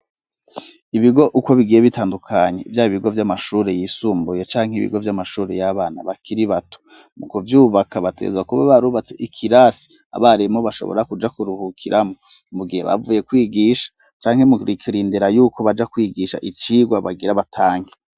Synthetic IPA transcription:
iβiɡo̞ʔuko̞βiɡijeβitaːndukʰaɲe̞ivjaːjiβiɡo̞vjamaʃuːɾe̞jiːsuːmbuje̞t͡ʃaːŋhiβḭɡo̞vjamaʃuːɾe̞̰jaβaːna̰βakʰiɾiβato̥ | mukovjuːβakʰaβatʰe̞̰zwakuβaβaɾuːβat͡se̞ʔikʰiɾasi̥ | a̰βaɾimoβaʃoβo̰ɾakud͡ʒakuɾuhukʰiɾʔamo | muɡihe̞̰βa̰vuje̞kwiːɡiʃḁ | t͡ʃaːŋhe̞muɾikʰiɾiːndiɾajuːko̞βad͡ʒakwiːɡiʃa̰ʔit͡ʃiːɡwaβaɡiɾaβatʰaːŋɡe

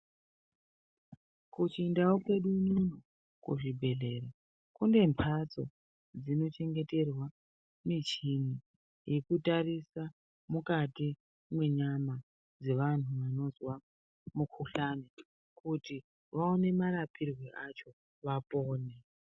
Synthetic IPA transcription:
kut͡ʃindaokwe̞ɗuɲuno | kṵʐibʱe̞ɮe̞ro | kunde̞mpʰat͡so̞̰ | d͡zino̞t͡ʃe̞ŋɡe̞te̞rwa | mit͡ʃini | je̞kutarisa | mukati | mwe̞ɲama | d͡ze̞ʋan̤uʋano̞zwa | mukʰuɬano | kʰuti | ʋaone̞maɾapirweʔat͡ʃo̞ | ʋapo̞ːne

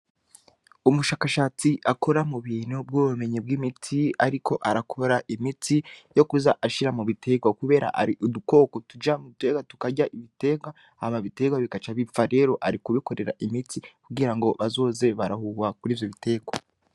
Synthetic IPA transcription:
umuʃaːkaʃaːt͡siʔakʰo̞ɾamuβiːnub̚ɡoβume̞ɲib̚ɡimitʰiaɾikʰo̞ʔaɾakʰo̞ɾaʔimitijo̞kuzaʔaʃiɾamuβitʰe̞ɡwakuβe̞ːɾa̰ʔa̰ɾiʔuduko̞ːkotud͡ʒamute̞ɡwatu̥kaɟaʔiβite̞ɡwa | hamaβite̞ɡwaβikat͡ʃaβifaɾe̞ːɾo̞ʔaɾikuβiko̞ɾe̞ɾa̰ʔimitikuɡiɾaŋɡo̞βazo̞ːze̞βaɾahuwakuɾiːvjo̞βite̞ːɡwa̰

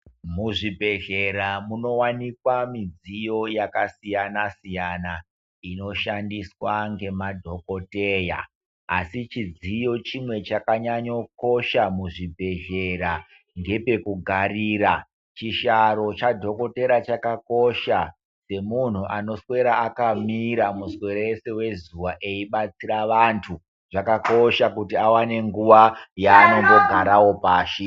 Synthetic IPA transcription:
muʐibʱe̞ɮe̞ɾamuno̞wanikwamid͡zijo̞jakasijanasijana | ino̞ʃandiswaŋɡe̞madʱo̞ko̞te̞ːja̰ː | sit͡ʃid͡zijo̞t͡ʃimwe̞t͡ʃakaɲaɲo̞ko̞ʃamuʐibʱe̞ɮe̞ɾa | ŋɡe̞pe̞kuɡʱarira | t͡ʃiʃaɾo̞t͡ʃadʱo̞ko̞te̞ɾat͡ʃakako̞ʃa | se̞mun̤uʔano̞swe̞ɾaakamiɾamuswe̞ɾeese̞we̞zuʋaʔe̞iɓat͡siɾaʋantʰu | ʐ̥akako̞ʃakutiawane̞ŋɡuʋajaːno̞ŋɡo̞ɡʱaɾawo̞paːʃi

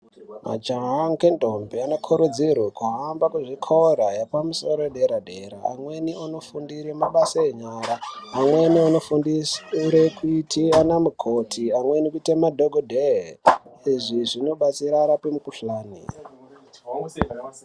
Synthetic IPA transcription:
ma̰d͡ʒaɦaŋkentombeanokʰuɾud͡zirwekuɦambakuʐikʰoɾajapamusoɾoeɗeɾadeɾa̰a̰mweniano̞fundiɾemaɓasaeɲaːɾaːmwenianofunisuɾekʰuitʰianamukʰotʰiamwenikuitemadʱoɡʱodʱe | iʐiʐino̞ɓat͡siɾaɾapemukuɬaːnḭ

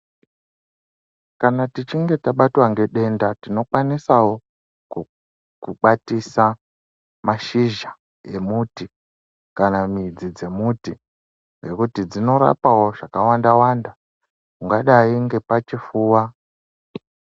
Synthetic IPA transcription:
kanatit͡ʃiŋɡe̞taɓatwaŋɡe̞ɗe̞ndatino̞kwanisawo | kuɓatisa | maʃiʒa | je̞muti | kanamid͡zid͡ze̞muti | ŋɡe̞kutid͡zino̞ɾa̰pawo̞ʐ̥akawandawanda | kuŋɡaɗaiŋɡe̞pat͡ʃifuːwa

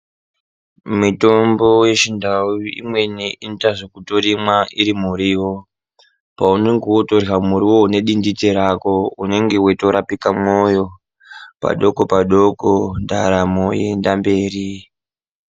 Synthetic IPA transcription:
muto̞mbo̞je̞t͡ʃindauḭmwe̞neʔintaʐokutoɾimwaʔiɾimuɾiːwo̞ | pauneŋɡewotorɣamuɾiwo̞une̞ɗinditeɾako̞une̞ŋɡe̞weto̞ɾapikamojo̞ | pa̰ɗo̞ko̞paɗokondaɾamoje̞̰ndambe̞ːri

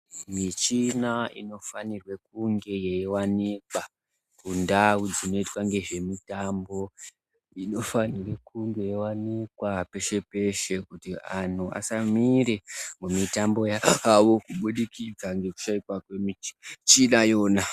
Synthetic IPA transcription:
mit͡ʃinaḭno̞fanirwe̞k̚uŋɡe̞jewanikwa | kundawud͡zino̞itwaŋɡe̞ʐe̞mitambo̞ | ino̞fanire̞kuŋɡe̞jewanikwape̞ʃe̞pe̞ʃe̞kutian̤ua̰samiɾemumitambo̞jaːʋo̞kuɓuɗikid͡zaŋɡe̞ku̥ʃaikwakwemi̥t͡ʃinajo̞ːna

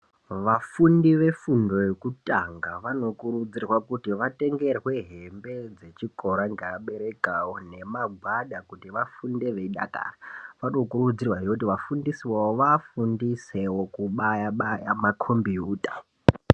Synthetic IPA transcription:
ʋafundiʋe̞fundo̞jekutʼaŋɡaʋano̞kuɾud͡zirwakutiʋate̞ŋɡe̞rwe̞ɦe̞mbe̞d͡ze̞t͡ʃiko̞ɾaŋɡeaɓe̞ɾe̞kawo̞ne̞maɡʱwaɗakutiʋafunde̞ʋe̞iɗa̰ka̰ːraʋanokurud͡zirwaijokut̬iʋafundisiwawoʋafundisewokuɓajaɓajamakʰombiuːtʼa

